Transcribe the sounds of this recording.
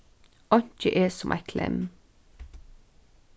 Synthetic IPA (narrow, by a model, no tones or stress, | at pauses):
ʔɑɲc͡çəʔeːsɔmʔæɪkʰlʔɛ̰m